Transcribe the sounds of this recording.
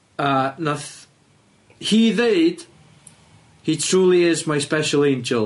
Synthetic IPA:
əːnaθ | hiðeɨd̥ | hitʰr̥uːlˠiɪzmajspɛʃəlˠẽnd͡ʒəlˠ

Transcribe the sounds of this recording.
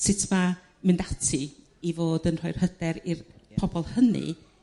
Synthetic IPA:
sɪtʰma | mɪndatʰi | ivoːdənr̥ɔjr̥hədɛɾirpʰɔbɔlˠhənɨ̰

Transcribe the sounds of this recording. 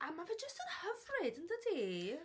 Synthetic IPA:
ʔamavɛd͡ʒəstənhəvrɪdəntədi

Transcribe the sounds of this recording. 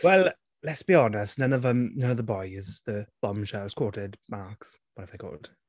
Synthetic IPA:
wɛlˠ | lɛtsb̥iɔnəstnə̃nəvəmnənəvðəbɔjz̥ðəb̥ɔmʃəz̥kʰwɔːtɪdmaɹkswɔtaɪfðekʰɔ̰ːlˠd̥

